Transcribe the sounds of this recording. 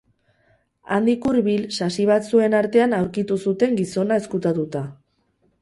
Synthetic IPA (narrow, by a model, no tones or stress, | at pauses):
a̰nd̪ikuɾβilsasiβ̞at̪sue̞naɾt̪e̞anawɾkit̪usut̪e̞ŋɡiso̞nae̞skut̪at̪ut̪a